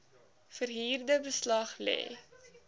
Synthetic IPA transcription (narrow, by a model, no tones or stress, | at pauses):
fərɦiːrdəbəslɐχlɛ̰ː